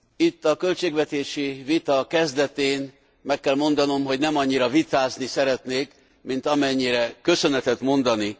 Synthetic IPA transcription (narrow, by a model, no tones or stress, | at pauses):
it̪ːɒkø̞lt͡ʃeːɡvɛt̪eːʃivit̪ɒkɛzd̪ɛt̪eːn | mɛkːɛlmo̞nd̪ɒno̞mɦo̞ɟnɛmɒɲːiɾɒvit̪aːznisɛɾɛt̪neːk | mint̪ɒmɛɲːiɾɛkø̞sø̞nɛt̪ɛt̪mo̞nd̪ɒni